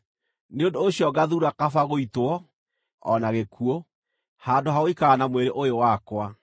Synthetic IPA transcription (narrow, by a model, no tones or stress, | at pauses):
neondoːɕiɔɡaðuɾakafaɣoitwɔ | ɔnaɣekʰuo | haːndoɦaoikaːnamweɾeʔojowakwa